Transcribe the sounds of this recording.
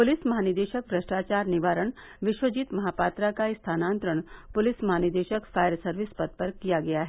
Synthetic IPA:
pʊlɪsmɐɦaːnɪd̪eːʃək̚bɾɐʃʈaːt͡ʃaːɾnɪʋaːɾəɽ̃ | ʋɪʃwəd͡ʒiːt̪mɐɦaːpaːt̪ɾakaɪst̪ʰaːnãːnt̪ɾəɽ̃pʊlɪsmɐɦaːnɪɾd̪eːʃəkfaːjəɾsɐɾʋɪspɐd̪̚pɐɾkijaɡɐjaɦɛ

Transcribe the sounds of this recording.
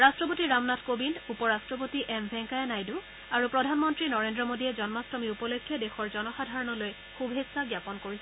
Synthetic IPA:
ɹastɹɔpotiɹamnatkobindupɔɹastɹɔp̬otiʔɛmbʱɛ̃ŋkajenajdu | aɹupɹɔdʱanmɔntɹinɔɹendɹɔmodiɛzɔnmastɔmiupɔlokʰːjɔdexɔɹzɔnɔxadʱaɹɔnɔloj | xubʱesaɡjapɔnkoɹisɛ

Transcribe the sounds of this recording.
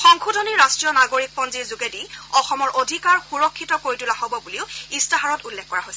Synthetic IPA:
xɔŋkʰudʱɔniɹːastɹijɔnaɡoɹik̚pɔnziɹzuɡediɔxɔmɔɹʔodʱikaɹxuɹɔkʰːitɔkoɹitulaɦobɔbuliʊistaɦaɹɔtulːɛkːɔɹaɦojsɛ

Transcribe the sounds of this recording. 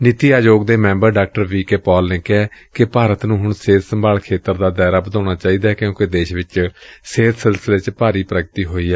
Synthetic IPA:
nɪt̪iːaːd͡ʒoːɡd̪eːmɛ̃ːmbəɾɖaːk̚ʈəɾʋiːkeːpɔːlneːkɛːkɪpaːɾət̪nũːɦʊɳseːt̪səmbʱaːlkʰeːt̪əɾd̪aːd̪ɛːɾaːbəd̪ãːɽ̃aːt͡ʃaːiːd̪aːkɪjõːked̪eːʃʋɪt͡ʃseːt̪ʰsɪlsəleːt͡ʃpaːɾiːpɾəɡət̪iːɦoːiːɛː

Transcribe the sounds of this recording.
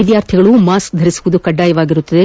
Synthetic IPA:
id̪jaːɾt̪ʰiɡɐɭumaːsk̚d̪ʱɐɾisuʋud̪ukɐɖːaːjɐʋaːɡiɾut̪ːɐd̪e

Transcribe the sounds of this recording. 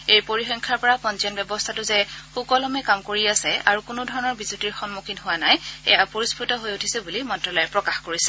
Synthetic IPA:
ejpoɹixɔŋkʰaɹpɔɹapɔnzɔnbɛbɔstʰatʊzɛxukɔlɔmɛkamkoɹiasɛʔa̰ɹukʊnodʱɔɹɔnɔɹbizutiɹxɔnmukʰinɦʊwanajɛ̰japoɹispɹutɔɦojutʰisɛbulimɔntɹɔlɔjɛpɹɔkaxkoɹisɛ

